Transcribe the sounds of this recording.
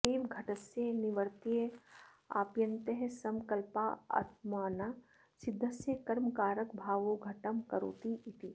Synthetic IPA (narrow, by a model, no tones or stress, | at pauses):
piːmɡʱɐʈəsjenɪʋəɾt̪ie | a̰ːpjɐ̃nt̪eɦsɐmkɐlpaɐ̰t̪maːna | sɪd̪ʱːɐsjekɐɾmkaːɾəkbʱaːʋoɡʱɐʈəmkɐɾo̰ːt̪iit̪i